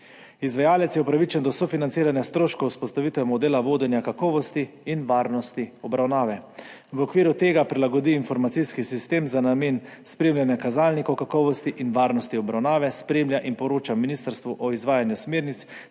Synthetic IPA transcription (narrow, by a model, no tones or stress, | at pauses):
izʋajaːlɛt̪sjɛupɾaʋit͡ʃɛnd̪ɔsɔfinant̪siːɾanjast̪ɾoːʃkɔuspɔst̪aʋit̪ʋɛmɔd̪eːlaʋoːd̪ɛnjakakɔːʋɔst̪iːnʋaːɾnɔst̪iɔbɾawnaːʋɛ | ʋɔkʋiːɾut̪eːɡapɾilaɡɔd̪iːnfɔɾmat̪siskisist̪eːmzanameːnspɾeːmljanjakazalnikɔwkakɔːʋɔst̪iʔinʋaːɾnɔst̪iɔbɾawnaːʋɛspɾeːmljaʔinpɔɾoːt͡ʃaminist̪əɾst̪ʋuʔɔizʋaːjanjusmeːɾnit̪s